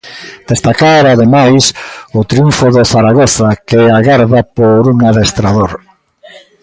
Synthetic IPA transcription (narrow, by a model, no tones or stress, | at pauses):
d̪̥est̪akaɾaðemajsʊt̪ɾjuɱfʊðoθaɾaɣoθakɪaɣaɾðapoɾuŋaðest̪ɾaðoɾ